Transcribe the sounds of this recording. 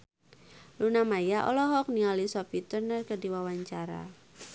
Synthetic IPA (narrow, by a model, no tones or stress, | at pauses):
lunamajaʔɔ̰lɔɦɔk̚nialisɔpit̪ərnərkədiwawaɲt͡ʃaɾa̰